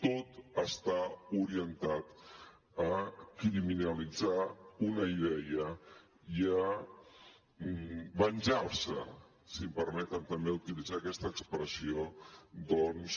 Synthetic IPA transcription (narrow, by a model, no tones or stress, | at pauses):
t̪ot̪əst̪auɾiənt̪at̪ | əkɾiminəlid͡zaunəiðɛə | iə | bənʲʒaɾsə | simpəɾmɛt̪ənt̪əmbeut̪ilid͡zaːkɛst̪əːkspɾəsiod̪ɔns